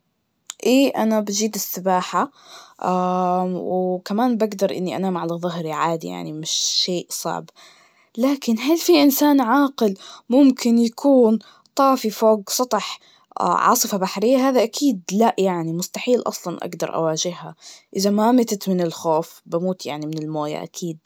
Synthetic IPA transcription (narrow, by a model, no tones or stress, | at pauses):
ʔeːʔanabad͡ʒiːd̪ɪsːɪbaːħaʔawkamaːnbaɡd̪ɑɾˤʔɪ̰nːiʔa̰naːmʕalaðˤʊɦɾiʕaːd̪ḭja̰ʕnimɪʃːeːʔsˤɑ̰ʕb | laːkɪnɦalfiʔɪnsaːnʕɑːqɪlmʊmkʰɪnjakʰuːn | t̪ˤɑːfifoːɡsˤɑt̪ˤɨħ | ʕɑ̰ːsˤɨfabaħɾɪjːaɦaːðaʔakʰiːd̪laʔjaʕnimʊst̪aħiːlʔɑ̰sˤlɑnʔa̰ɡd̪ɑ̰ɾˤʔa̰waːʒɪhːa̰ʔɪðamamɪt̪ɪt̪mɪnɪlxoːfbamuːt̪ja̰ʕnimɪnɪlmoːja̰ʔa̰kʰiːd̪̚